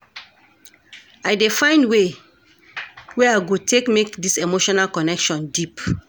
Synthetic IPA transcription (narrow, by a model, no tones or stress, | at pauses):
aɪdefãɪ̃ndwe | weaɪɡotʰekmekdisemoʃɔnalkɔnɛkʃɔ̃ndip